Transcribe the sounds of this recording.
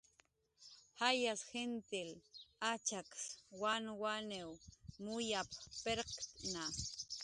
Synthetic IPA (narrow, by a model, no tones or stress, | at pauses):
hajasxent̪ɪlat͡ʃakswanwanewmʊjappeɾqt̪na